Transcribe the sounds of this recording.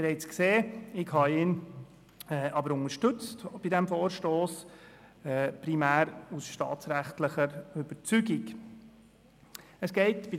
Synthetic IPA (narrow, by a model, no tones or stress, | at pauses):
b̥eɾɛɪt͡skseːɪɡhɑɪn | ɛʔɑbəɾʊŋəʃtʏt͡stb̥idɛmfoːɾʃtoːs | ɛpɾimæːɾusʃtɑ̰ːt͡sɾæχtləχəɾʏb̥əɾt͡syɡik | əsɡ̥ɛɪtb̥i